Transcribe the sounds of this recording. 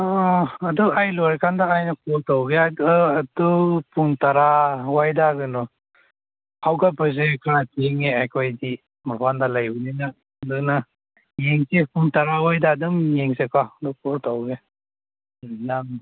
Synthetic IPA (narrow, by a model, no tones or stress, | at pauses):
aːduajlɔɾkʰandaːjnɐkʰɔɾtawɡeadupuntaɾawajdaɡɯnɔ | hawɡabɯz̬ekʰaɾatʰeŋeajkʰojdi | maɾpʰandalajbunina | duna | jeŋsepuntaɾawajdadɯŋjeŋsekadupʰɔɾtawɡe | naŋ